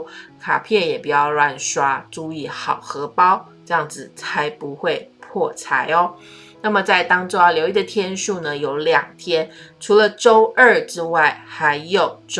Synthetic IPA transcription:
kʰa̰˨˩pʰjɛ˥˩jɛ˨˩pu˨˩jɑ˥˧ʊlwa˥˩nʂwa˥ʈ͡ʂu˥˧i˥˩xɑ˨˩ʊxɤ˧˥pɑ˥ʊ | ʈ͡ʂɤ˥˧jɑ˥˩ŋd͡zɹ̩˨˩t͡sʰa˧˥ɪpu˧˥xwe˥˧ɪpʰwɔ˥˩t͡sʰa˧˥ɪɔ˧˦ | na˥˩mə˩t͡sa˥˩ɪt̪ɑ˥ŋʈ͡ʂo˥ʊa˥ljo˧˥ʊi˥˩d̪ə˨˩t̪ʰjɛ˥nʂu˥˩nə˩jo˧˥ʊljɑ˨˩ŋt̪ʰjɛ˥nʈ͡ʂʰu˧˥lə˧ʈ͡ʂo˥ʊʔə˥˩ʈ͡ʂɻ̩˥wa˥˩ɪxa˧˥ɪjo˨˩ʊʈ͡ʂ

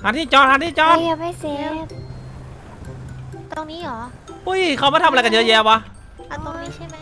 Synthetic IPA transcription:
haː˨˧˥nt̪ʰiː˥˩t͡ɕɔː˧˥n̚ha˧˥nt̪ʰiː˥˩t͡ɕɔ˧˥ja˧ma˥˩jse˧˦˥p̚ | t̪o˧ŋniː˦˥ʔɔː˩˦ | ʔu˧˥˩jkʰa˧˩wmaː˧˩t̪ʰm˨˧ka˧˨˩jɤː˧˥jɛː˧wa˧ | ʔa˧˩t̪o˧ŋniː˦˥t͡ɕʰa˥˩m˦

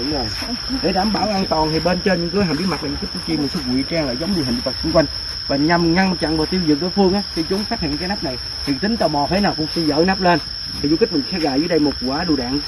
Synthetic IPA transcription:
o˨˩j | ɗe˧˦ɗaː˨˩˦mɓaː˧˦wʔa˧ŋt̪ɔ˨˩nt̪ʰi˨˩ɓe˧nt͡ɕe˧nɲɨ̰˧˥ŋkɨ˨˦jhaː˨˩mɓi˦˥t̚ma˨˩t̚aː˨˩ɲɨ̰˧˦kːk̚kːu˧˦t͡ɕi˧m̟˨˩sɛ˧˦˥ɣwḭ˧˨t͡ɕaː˧ŋla̰ː˧˨jzə˨˦wŋ͡mɲɨ˧˩ɦi̟˨˩˨ɗ̚va˨˩sʊ˧ŋ͡mkwa˧jŋ̟ | vaː˨˩ɲa˨˩mŋa˧nt͡ɕa̰˧˨ŋvaː˨˩t̪i˧əwzɨ̰˨ək̚ɗo˧˨˦jfɨ˧əŋʔaː˨˦k̪i˧˦t͡ɕʊ˨˦nsa˦˥hḭ˧˨ənkaː˨˦jna˦˥p̚na˨˩j | t̪ʰi˨˩t̪ï˨˦ŋ̟t̪əː˨˩wmɔ˨˩fe˨˦jnaː˨˩wkʊ̰˧˥wŋ͡msi˧nzə̰ː˧˩˦na˦˥p̚le˧n | i˨˩zu˧ki˦˥k̚m̟˨˩˧sɛ˧ɣa̰ː˧˨jzəː˨˦jɗə˧jmo˨˩t̚ku˨˩waː˨˦ɗu˨˩ɗa̰ː˨n

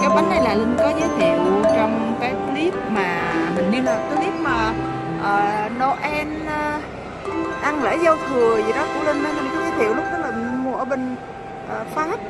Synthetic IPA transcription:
kaː˨˦ɓa˨˦nʔɗə˨˦jlaː˨˩ŋɨ˧˩ŋkɔ˨˦zə˨˦jt̪ʰḭ˧˨əwt͡ɕɔ˧wŋ͡mkaː˨˦jkli˦˥p̚maː˨˩mï˨˩ŋ̟i˧˨˦aː˨˩t̪ɨ˨˧˦ne˨˦w̚maː˨˩ | ʔəː˨˩nɔ˧˦ʔɛ˧nː˧ | ʔa˧ŋlɛ̰ː˧˥zə˧wfɨ˨˩əzi˨˩ɗɔ˨˦kʊ˧˦le˧nːə˧ɲɨ˧˩kɔ˨˦zəː˨˦jt̪ʰḭ˧˨əwlʊ˦˥k͡p̚ɗə˦˥laː˨˩mṵ˧˩əɓe˧˩ŋ̟ | ʔəː˨˩faː˦˥t̚

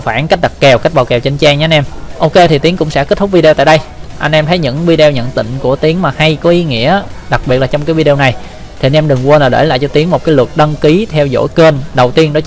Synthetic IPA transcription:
faː˧˩nka˦˥ɗa˨˩t̚kɛ˨˩wka˦˥k̚ɓaː˨˩wkɛ˨˩wt͡ɕe˧nt͡ɕaː˧ŋɲa˧nʔɛ˧mʔo˧ke˧t̪ʰi˨˩t̪i˨˦kʊ̰˧˥ŋ͡msɛ̰˧˥ke˦˥t̪̚ʰʊ˦˥k͡p̚vi˧ɗɛ˧t̪a̰ː˧˨ɗə˧jʔa˧jn̟ʔɛ˧mt̪ʰjɲɨ̰˧˥ŋvi˧ɗɛ˧wɲə̰˧˨nt̪ḭ˧˨ŋ̟ku˧˩ət̪i˨˦əŋmaː˨˩ha˧jkɔ˨˦ʔi˨˦ŋḭ˧˥əɗa˨˩k̚ɓi˨˩ət̚la˨˩t͡ɕɔ˧wŋ͡mkaː˨˦jvi˧ɗe˧wna˨˩j | tt̪ʰi˨˩˨nʔɛ˧mɗɨ˨˩ŋkwə˧laː˨˩ɗḛ˧˩la̰ː˧˨jt͡ɕɔ˧t̪i˨˦əŋmo˨˩t̚kaː˨˦jlwə˨˩t̚ɗə˧ŋki˨˦t̪ʰɛ˧wzo̰˧˥jkəː˧nɗə˨˩wt̪i˧ənɗɔ˨˦

